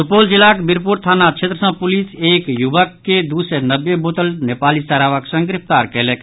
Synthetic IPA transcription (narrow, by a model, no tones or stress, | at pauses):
sʊpold͡ʒilakbiɾpuɾt̪ʰaːnat͡ʃʰet̪ɾəsə̃pʊliseːkjubəkːed̪usenəbjebot̪əlnepaːlisəɾaːʋəksə̃ŋɡɾɪp̚ʰt̪aːɾkɛlek